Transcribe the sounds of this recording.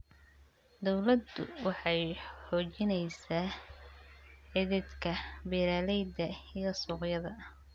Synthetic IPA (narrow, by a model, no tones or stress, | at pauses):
d̪ɔwlɐd̪ʊ̰wɑħɑjħɔːt͡ʃɪnɛjsaː | ʕɪðɪd̪kʰɐbɪɾaːlɛjd̪ɐijɐsuːqjɐðɐ